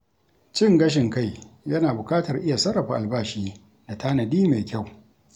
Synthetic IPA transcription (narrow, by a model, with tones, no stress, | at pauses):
t͡ʃɪ˦ŋɡɐ˦ʃ̬ɪ˨ŋka˦˨jjɐ˦naː˨bʊ˨kaː˦tɐ˨rʔɪ˦ja˨sɐ˦rːɐ˨ɸa˦˨ʔa˨lbaː˦ʃiː˦ | da˨taː˦nɐ˨diː˦ma˨jkʲa˦˨w